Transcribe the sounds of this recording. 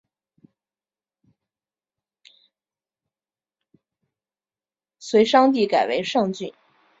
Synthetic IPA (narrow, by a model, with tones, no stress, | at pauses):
swe˧˥ɪʂɑ˥ŋt̪̬i˥˩ka˨˩ɪwe˧˥ɪʂɑ˥˧ŋt͡ɕy˥˩n